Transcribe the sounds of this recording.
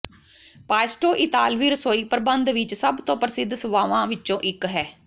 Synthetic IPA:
paːsʈoːʔɪt̪aːlʋiːɾəsoːiːpəɾbənd̪ʋɪt͡ʃsəbt̪õːpəɾəsɪd̪səʋaːʋãːʋɪt͡ʃt͡ʃõːʔɪkɦɛː

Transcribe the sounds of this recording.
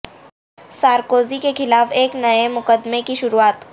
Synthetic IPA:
saːɾkoːzikexɪlaːfeːknɐemʊqəd̪mekiʃʊɾuaːt̪

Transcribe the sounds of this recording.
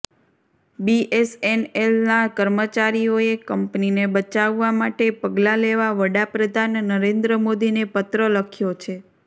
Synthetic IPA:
biʔesenelnakəɾmət͡ʃaɾioekəmpninebət͡ʃaʋːamaʈepəɡlaleʋaʋəɽapɾəd̪ʱanːəɾend̪ɾəmod̪inepət̪ɾələkʰjot͡ʃʰe

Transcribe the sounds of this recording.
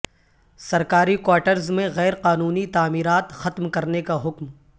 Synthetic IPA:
sɐɾkaːɾikwaːʈəɾzmẽɣɛːɾqaːnuːnit̪aːmiːɾaːt̪xɐt̪mkɐɾnekaɦʊkm

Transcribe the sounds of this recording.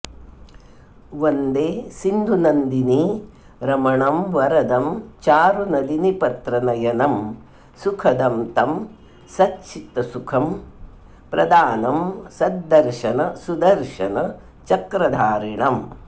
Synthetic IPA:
ʋond̪eːsind̪ʱunɐnd̪ini | ɾɐmɐɳɐmʋɐɾɐd̪ɐmt͡ʃaːɾunɐlinipɐt̪ɾɐnɐjɐnɐm | sukʰɐd̪ɐmt̪ɐm | sɐtt͡ʃit̪ɐsukʰɐm | pɾɐ̰d̪aːnɐmsɐd̪ːɐɾʃɐnɐsud̪ɐɾʃɐnɐ | t͡ʃɐkɾɐd̪ʱaːɾiɳɐm

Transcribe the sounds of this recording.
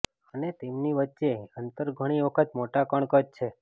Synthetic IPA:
ənet̪emniʋətːʃeənt̪əɾɡʱəɽ̃iʋəkʰət̪moʈakəɳ̃kəd͡ʒt͡ʃʰe

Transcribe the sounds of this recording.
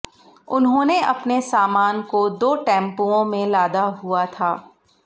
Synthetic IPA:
ʊnɦõːneʔɐpnesaːmaːnkod̪oːʈɛ̃ːmpuõmẽlaːd̪aɦuat̪ʰaː

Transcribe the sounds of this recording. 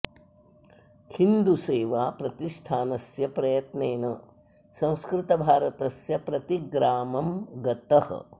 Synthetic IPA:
hind̪useːʋaːpɾɐt̪iʂʈʰaːnɐsjɐpɾɐjɐt̪neːnɐ | sɐ̃w̃skɾɪt̪ɐbʱaːɾɐt̪ɐsjɐpɾɐt̪iɡɾaːmɐmɡɐt̪ɐhɐ̰

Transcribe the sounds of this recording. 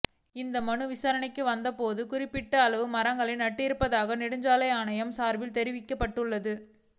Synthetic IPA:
ɪnd̪ɐmɐɳɯʋɪsaːɾɐɳɐɪkːɯʋɐnd̪ɐpoːðɯkʊrɪpːɪʈːɐːɭɐʋɯmɐɾɐŋɡɐɭɪnnɐʈːɪɾɯpːɐðaːɣɐnɪɽɯɲd͡ʒaːlɐjaːnɐjɐmsaːɾʋɪlt̪ɛɾɪʋɪkːɐpːɐʈːɯɭːɐðɯ

